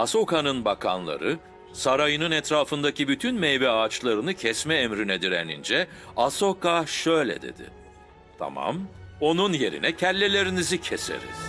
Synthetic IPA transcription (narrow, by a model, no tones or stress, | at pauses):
aso̞kanɯnbakʰa̰nlˠa̰ɾɯ | saɾajɯnɯnɛt̪ɾaːfɯnd̪acibyt̪ʰynmejbɛaːt͡ʃlˠaɾɯnɯcʰɛsmɛːmɾinɛd̪iɾḛnind͡ʒɛ | aso̞kaʃø̞jlʲɛ̰d̪e̞̰d̪ɪ̰ | t̪ʰa̰ma̰mo̞nunje̞ɾḭnɛcʰælʲːelʲe̞ɾinizicʰesḛɾḭz̥